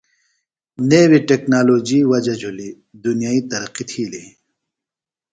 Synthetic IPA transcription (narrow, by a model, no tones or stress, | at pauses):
newiʈeknaːloːd͡ʑiːwɐd͡ʑɐd͡ʑoli | d̪unijaːit̪ɐɾɐqit̪ʰiːli